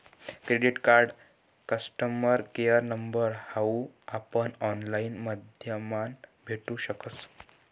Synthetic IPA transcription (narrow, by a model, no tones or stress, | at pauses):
kɾeɖiʈkaɾɖ | kəsʈəməɾkejəɾnəmbəɾhauapəɳɔnlainməd̪ʱjəmanbʱeʈũɕəkət͡s